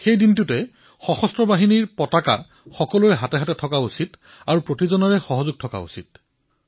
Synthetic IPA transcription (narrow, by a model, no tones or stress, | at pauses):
xejdintutɛ | xɔxɔstɹɔbaɦiniɹpɔtaka̰ | xɔkɔlʊɹɛɦatɛɦatɛtʰɔkausit | aɹupɹotizɔnɔɹɛxɔɦɔzʊɡ̚tʰɔka̰ṵsit̚